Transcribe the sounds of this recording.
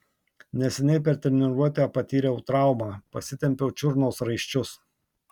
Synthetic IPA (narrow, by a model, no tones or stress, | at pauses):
nʲɛsʲɛnʲɛɪpʲɛɾt̪ʲɛɾʲnʲɪɾuɔt̪ʲæpɐt̪ʲiːɾʲɛʊt̪ɾɑˑʊmɑːpɐsʲɪt̪ʲɛmʲpʲɛʊt͡ʃʲʊɾnoːsɾɐɪʃʲt͡ʃʲʊs